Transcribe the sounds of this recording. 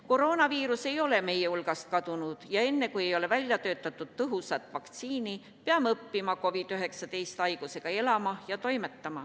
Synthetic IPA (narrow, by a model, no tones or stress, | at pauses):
ko̞ɾo̞ːnɑviːɾuse̞jo̞le̞me̞je̞ulɡ̥ɑst̪̚kɑd̪̥unud̪̥jɑe̞nːe̞kuje̞jo̞le̞vælʲjɑt̪ø̞ːt̪ːˑɑt̪ːˑud̪̥t̪ɤɦusɑt̪ːˑvɑkt̪siːni | peɑmɤpːimɑko̞vid̪̥yɦe̞ksɑt̪e̞jst̪ɑjɡ̥use̞ɡ̥ɑe̞lɑmɑjɑt̪o̞jme̞t̪ːɑmɑ̰